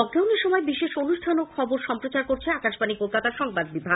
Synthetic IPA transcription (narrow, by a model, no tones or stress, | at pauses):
ɔɡɾawniɾʃɔmɔebiʃeʃonuʃʈʰanokʰɔboɾʃɔmpɾot͡ɕaɾkoɾt͡ɕʰeakaʃpanikolkat̪aɾʃɔŋbad̪̚bibʱa